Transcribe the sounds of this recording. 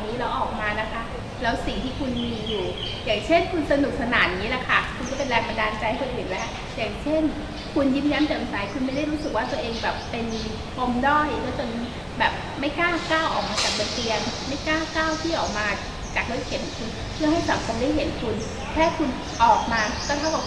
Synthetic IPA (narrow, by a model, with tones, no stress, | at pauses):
niː˦˥lɛː˦˥wʔɔː˨˩k̚maː˧na˦˥kʰa˦˥ | lɛː˦˥wsi˨˩ŋt̪ʰiː˥˩kʰu˧nmiː˧juː˨˩ | jaː˨˩ŋt͡ɕʰe˥˩nkʰu˧nsa˧nu˨˩k̚sa˧naː˩˦n˨ŋi˦˥la˧˩kʰa˥˩kʰu˧nku˧˥˩pe˧nlɛː˧ŋpa˧ndaː˧nt͡ɕa˧jkʰɤ˧nʔɯː˨˩nlɛː˦˥w | jaː˨˩ŋt͡ɕʰe˥˩n | kʰu˧njiː˦˥˩mja˦˥nt̪a˨˧˩ʔnsaː˨˦jkʰu˧nma˥˩jda˥˩jɾuː˦˥sɯ˨˩k̚waː˥˩t̪u˧əʔeː˧ŋbɛː˨˩pːe˧n | pʰo˧mdɔː˥˩jnɯ˥˦˥to˧n˦˥ | bɛː˨˩p̚ma˥˩jkaː˥˩kaː˥˩wʔɔː˨˩k̚maː˧t͡ɕaː˨˩k̚bo˧nt̪i˧ənma˥˩jkaː˥˩wkaː˥˩wt̪ʰiː˥˩ʔɔː˨˩k̚maː˧ | t͡ɕa˨˩k̚do˧˦˥j̚kʰe˩˦nkʰu˧n | pʰɯ˥˩ɐha˥˩jsaː˨˩˦m̚kʰa˧˩daː˥˩jɦe˩˦nkʰu˧n | k̪ʰɛː˥˩kʰu˧n | ʔɔː˨˩k̚maː˧k̪ɔː˥˩t̪ʰa˥˩wkɔ˨˩